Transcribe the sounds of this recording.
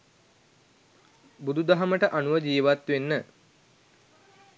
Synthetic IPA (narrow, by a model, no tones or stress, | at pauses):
bud̪ud̪ɐɦɐməʈəʔanuʋəd͡ʒiːʋat̪ʋenːə